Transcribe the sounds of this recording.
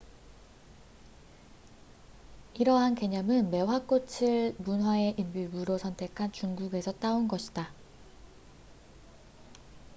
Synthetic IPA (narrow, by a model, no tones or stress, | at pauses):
iɾʌɦanke̞ɲʌmɯnme̞wak͈ot͡ɕʰiɭmunɦwae̞ʔimbimuɾosʰʌntʰe̞kʰant͡ɕuŋɡuɡe̞sʰʌt͈aonɡʌɕʰi̥d̥a